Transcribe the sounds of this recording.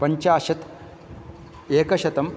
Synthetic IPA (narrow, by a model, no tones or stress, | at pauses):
pɐɲt͡ɕaːɕɐt̪ | eːkɐɕɐt̪ɐm